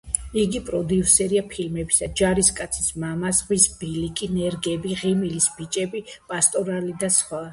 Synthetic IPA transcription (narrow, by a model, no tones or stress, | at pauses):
iɡipʼɾɔd̪iusɛɾiapʰilmɛbisad͡ʒaɾiskʼat̪sʰi̥smamasʁwisb̥ilikʼinɛɾɡɛbiʁimilisb̥it͡ʃʼɛbipʼast̪ʼɔɾalid̪asχwa